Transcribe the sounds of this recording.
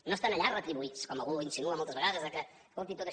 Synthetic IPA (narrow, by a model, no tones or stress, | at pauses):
nost̪anɐʎarət̪ɾiβuit͡skɔməlˠɣuinsinuəmolˠt̪əzβəɣaðəzəkə | kolˠt̪it̪ot̪ə